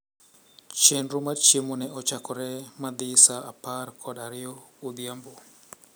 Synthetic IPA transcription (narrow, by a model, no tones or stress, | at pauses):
t͡ʃenɾumat͡ʃemonɛʔɔt͡ʃakɔɾɛmad̪ɪsaaparkʰɔdaɾɪjɔod̪jambo